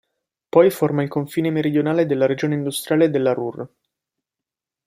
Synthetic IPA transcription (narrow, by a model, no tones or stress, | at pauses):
pɔjformailkoɱfiːnemeɾid̪jonaːled̪elːaɾed͡ʒoːneind̪ust̪ɾjaːled̪ːelːaɾur